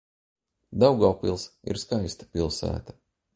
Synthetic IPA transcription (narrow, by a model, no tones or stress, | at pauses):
d̪awɡawpilˠsḭɾskajst̪ḁpilˠsæ̰ːt̪ḁ